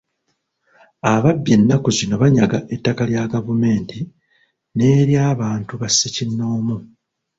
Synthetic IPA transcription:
aβabje̞nːakuzino̞βaɲaɡaʔetːakaljaɡavume̞ːnti | ne̞ːɾjaːβaːntuβasːicinːo̞ːmu

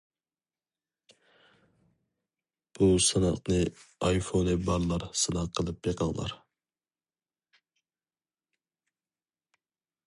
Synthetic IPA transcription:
b̥usɨnɑqnɨɑjfonɨbɑɾlˠɑɾsɨnɑqqʰːəlˠɨp̚beqʰɑŋlˠɑ̰ɾ

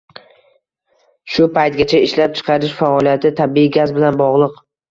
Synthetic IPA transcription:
ʃʊpʰajt̪̚ɡʲat͡ʃʰaɪʃlap̚t͡ʃʰɨ̥qʰɑɾɪʃfaɒlˠijat̪ʰɪt̪ʰabiiɡʲazbɪlanbɒʁlˠɨq

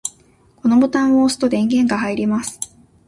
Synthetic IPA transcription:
ko̞no̞bo̞t̪ãɰ̃oːsɨ̥t̪o̞d̪ẽ̞ŋɡẽ̞ŋɡahaiɾʲimasɨ̥

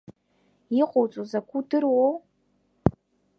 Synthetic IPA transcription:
iqʷʼowt͡sʼuzakʷʰudɨrwow

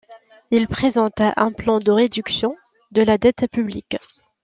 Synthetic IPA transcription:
ilpχezɑ̃t̪aʔɛ̃plɑ̃d̪əʁed̪yksjɔ̃ | d̪əlad̪ɛt̪pyblik

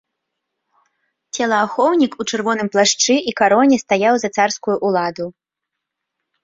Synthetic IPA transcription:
t͡sʲɛlˠɐːxɔwnʲikut͡ʂɨrvɔnɨmplˠaʂt͡ʂɨʔikaɾɔnʲɛst̪ajawzɐt̪sarskujuʔulˠad̪u

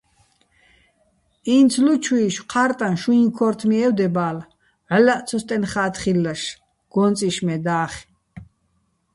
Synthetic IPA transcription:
int͡sʰlut͡ʃʰwiːʃqʰaɾt̪ʼanʃuiŋkʰɔɾt̪ʰmiɛwd̪ɛbaːl | ʕlaʔt̪t͡sʰɔst̪ʼɛnχaːt̪χilːaʃ | ɡ̥ɔnt͡sʼiʃmɛd̪aːχ

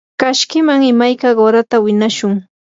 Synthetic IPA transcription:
kaʃkɪmaŋɪmajkaɢoɾat̪awɪnaʃʊŋ

